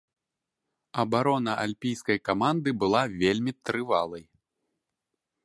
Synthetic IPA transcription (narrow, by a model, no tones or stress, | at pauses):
ɐbaɾɔnɐʔalʲpʲijskɐjkamand̪ɨbɨlˠavʲelʲmʲit̪ɾɨvalˠɐj